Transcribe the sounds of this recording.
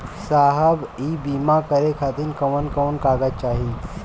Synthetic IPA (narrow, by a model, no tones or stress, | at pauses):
saɦəbibimakəɾekʰat̪iːnkəʋənkəwnkaɡat͡ɕaɦi